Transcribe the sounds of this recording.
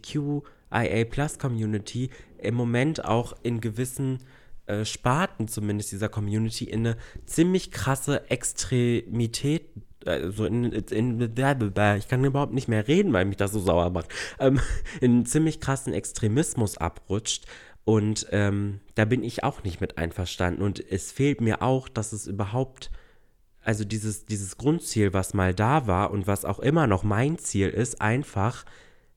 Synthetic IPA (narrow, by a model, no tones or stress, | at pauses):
kʰjuː | ʔaɪʔɛɪpʰl̥askʰɔmjuːnɪtʰiʔɪmːomɛnta̰ʊxʔɪnɡəvɪsn̩ | ʔɛːʃpaɐtn̩t͡sumɪndəstd̥iːzɐkʰɔmjuːnɪtʰiʔɪnːət͡siːmlɪçkʁ̥asəʔɛkstʁ̥emitʰɛːt̚ | ʔɛ̰zoːɪnɪnəðɛɐbəbɛɐɪçkʰanybɐhʊptnɪçtmeːɐʁeːdn̩vaɪlmɪçd̥asz̥oːzaʊɐ̰maχtʔɛːmʔɪnt͡siːmlɪçkʁ̥asn̩ʔɛkstʁ̥emɪsmʊsʔa̰pʁʊt͡ʃt | ʔʊntʔɛːmd̥aːbɪnɪçʔa̰ʊxnɪçtmɪtʔa̰ɪnfɛɐʃta̰ndn̩ʊntɛsfeːltmiːɐʔa̰ʊxd̥asɛsʔyːbɐɦaʊp̚t | ʔalzodiːzəsd̥iːzəsɡ̥ʁʊntt͡siːlvasmaːldaːvaːɐʔʊntv̥asa̰ʊxʔɪmɐnɔχmaɪnt͡siːlʔɪstʔa̰ɪnfaχ